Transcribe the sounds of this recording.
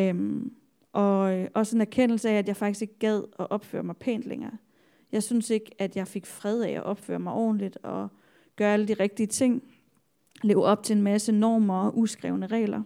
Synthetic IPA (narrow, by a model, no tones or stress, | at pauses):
m | ʔɒ̽ʔɒ̽senæɐkʰen̰l̩səææd̥jɑ̈ɪfɑ̈ɡ̥̚d̥ise̝ɡ̥əɡ̥ɛð̞̰ˠɒ̽ʔɒ̽b̥fø̰ːɐmɑ̈ɪpʰḛːnd̥leŋɐː | jɑ̈ɪsynse̝ɡ̥æd̥jɑ̈ɪfe̝ɡ̥fʁɛð̞ˠæʔæ̰ʔɒ̽b̥fø̰ːɐmɑ̈ɪʔɒ̰ːn̩lid̥ɒ̽ | ɡ̥ɶːɐæləd̥iʁɛɡ̥̚d̥iət͡sʰe̝ŋ̰ | le̝ːʊɒ̽b̥̚t͡sʰe̝e̝nmæsənɒːmɐʔusɡ̥ʁɛ̰ʊnəʁɛ̰ːlɐ